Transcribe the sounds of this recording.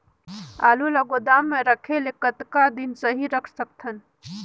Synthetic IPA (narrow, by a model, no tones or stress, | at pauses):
a̰ːluləɡod̪aːmːẽɾəkʰelekət̪kad̪insəɦiɾəkʰsək̚t̪ʰən